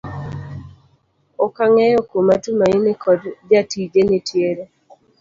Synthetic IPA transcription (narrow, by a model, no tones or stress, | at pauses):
ɔkaŋɛjɔkomatumainɪkʰɔdd͡ʒatid͡ʒenɪtʰjeɾe